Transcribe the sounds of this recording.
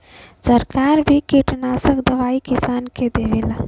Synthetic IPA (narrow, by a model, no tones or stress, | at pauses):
səɾkaɾbʱikiʈnasəkd̪əʋaikisanked̪eʋela